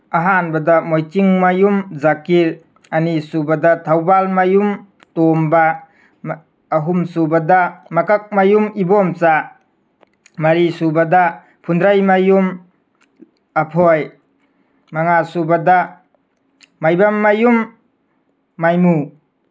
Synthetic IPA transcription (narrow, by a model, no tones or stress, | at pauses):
aɦanbɐdamojtiŋmajumzakiɾ | anisubadatʰawbalmajum | tomba | ɦumsubadamakak̚majumibɔmsa | mɐɾisubada | pʰundɾajmajum | apʰɔj | maŋasubada | majbamːajum | ajmu